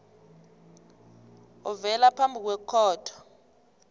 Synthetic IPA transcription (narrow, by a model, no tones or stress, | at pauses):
ɔvɛlapʰambʱik̬wɛkʰɔːtʰɔ̥